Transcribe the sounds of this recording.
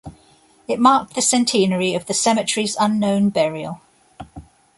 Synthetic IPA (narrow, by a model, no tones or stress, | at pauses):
ɪʔmɑˑk̚ðəsɛ̃ntʰĩːnəɹiəvðəsɛmɪt͡ʃɹ̥izʌ̃nːə̃ʊ̃nbɛɹiə̰lˠ